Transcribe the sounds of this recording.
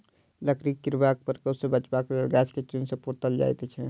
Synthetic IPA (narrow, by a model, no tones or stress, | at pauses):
ləkɾikːɪɾbaːk̚pəɾkəsebɐt͡ʃbakɡɛːt͡ʃket͡ʃɪnsepuɾt̪əld͡ʒa̰ːjt̪et͡ʃʰɛ